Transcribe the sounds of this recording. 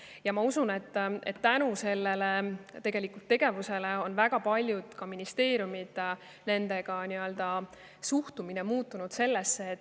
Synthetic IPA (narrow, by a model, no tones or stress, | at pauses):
jɑmɑusune̞t̪ːet̪ːænuse̞lːele̞t̪e̞ɡ̥e̞likːult̪ːe̞ɡ̥e̞vuse̞le̞o̞nvæɡ̥ɑpɑlʲjud̪̥kɑminist̪e̞ːɾjumid̪̥ | ne̞nd̪e̞ɡ̥ɑniø̞ld̪ɑ | suht̪umine̞muːt̪ːˑunud̪̥se̞lːe̞sːeː